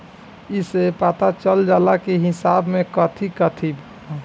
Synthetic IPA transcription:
isepat̪at͡ʃəld͡ʒaːlakeɦɪsabmẽkət̪ʰikət̪ʰib

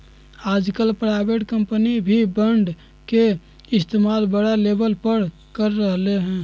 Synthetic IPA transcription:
ad͡ʒkəlpɾajbeʈkəmpənibʱibəɳɖ | ke | ɪst̪emalbəɽalebəlpəɾ | kəɾːəɦleɦɛ̃

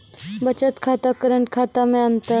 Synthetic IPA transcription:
bət͡ɕət̪kʰat̪akəɾəɳʈ̚kʰat̪amẽənt̪ə

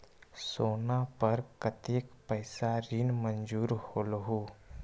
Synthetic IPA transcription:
soːnapəɾkət̪eːkpəɪsaɾinmə̃nd͡ʒuːɾhoːlɦu

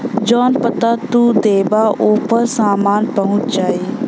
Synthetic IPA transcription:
d͡ʒɔːnpət̪at̪uːd̪eːbaʔoːpəɾsaːmaːnpəɦʊ̃t͡ʃd͡ʒaːiː

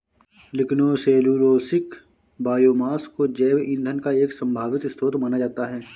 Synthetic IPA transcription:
lɪknoːseːluːɾoːsɪk | baːjoːmaːskod͡ʒɛːʋɪ̃nd̪ʱənkaeːksɐ̃mbʱaːʋɪt̪st̪ʰoːt̪manad͡ʒaːt̪aɦɛː

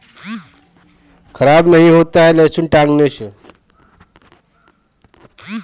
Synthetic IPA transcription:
kʰəɾabnəɦĩɦot̪aɦelesunʈaŋnesʰ

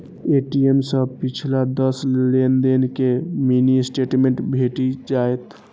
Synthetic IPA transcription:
eʈiemsə̃pɪt͡ʃʰlad̪əslend̪enkeminisʈeʈmẽɳʈbʱeʈid͡ʒaːet̪

